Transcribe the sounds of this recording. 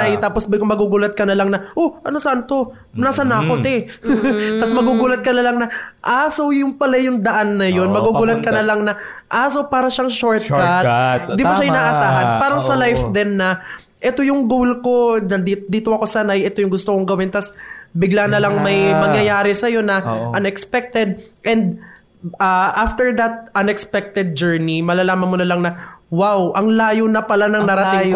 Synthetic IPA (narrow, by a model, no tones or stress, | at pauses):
ajt̪aːposbɪkomɐɡuːɡuːlɐt̪̚kɐnɐlaŋnɐʔoʔɐnosɐʔant̪o̞ | naːsɐnaːkot̪ɛ | t̪asmɐɡuːɡuːlɐt̪̚kɐnɐlaŋnɐʔaːsojʊŋpɐlɐjʊŋd̪ɐʔanːɐjo̞nmɐɡuɡuːlɐt̪̚kɐnɐlaŋnɐʔaːsopaːɾɐʃaŋʃoɹt̪̚kat̚d̪ɪbaʃajʊnaːʔɐsaːɦɐnpaːɾɐŋsɐlajfd̪ɛnːɐ | ʔɛt̪o̞jʊŋɡolko̞nɐid̪iːt̪oɐko̞sanɐɐjɛt̪o̞jʊŋɡʊst̪okoŋɡɐwɪnt̪ɐsbɪɡlanɐlɐŋmɐjmɐŋjɐjaːɾɛsɐjo̞nɐʔɐnɛkspɛk̚t̪ɛd̪̚ʔɛnd̪̚ | aʔaft̪ɛɹd̪ɐt̪̚ʔɐnɛkspɛk̚t̪ɛd̪̚d͡ʒɛɹnimɐlalaːmɐnmʊnɐlɐŋnɐwawʔɐŋlaːjonɐpɐlanɐŋnɐɾɐt̪ɪŋ